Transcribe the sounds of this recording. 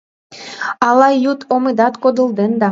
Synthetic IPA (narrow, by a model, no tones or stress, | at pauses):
ɑlɑjut̪ʰomɨd̪ɑt̪kod̪ə̆ld̪end̪ɑ